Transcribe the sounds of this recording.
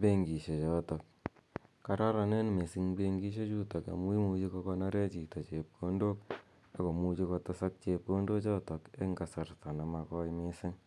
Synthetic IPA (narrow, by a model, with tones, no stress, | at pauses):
pe˦ŋɡi˨ʃe˨t͡ʃɔ˦tɔ˨k̚ | ka˨ɾa˦ɾa˨ne˦nme˨sɪ˦ŋbe˧ŋɡi˦ʃ̬e˦t͡ʃu˦tɔ˨ka̰˨mu˦i˦mu˧t͡ʃi˦kɔ˧kɔ˧na˦ɾe˦t͡ʃi˨tɔ˨t͡ʃe˨p̚ko˦ndo˦k | a˨ko˨mu˦t͡ʃi˧kɔ˧tɔ˦sa˦k̚t͡ʃe˧p̚ko˦ndo˦t͡ʃɔ˦tɔ˨ke˦ŋɡa˨sa˨rta˨na˨ma˨kɔ˦jmɪ˦sɪ˦ŋ